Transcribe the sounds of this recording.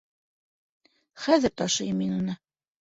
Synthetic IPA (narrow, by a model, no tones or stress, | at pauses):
χæðɘɾt̪ɒʃɤ̆jɤmːinunɤ